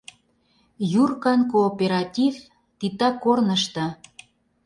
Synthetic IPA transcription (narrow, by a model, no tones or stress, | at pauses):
jurkɑnkoːpeɾɑtʲiv | t̪it̪ɑkːornəʃt̪ɤ̆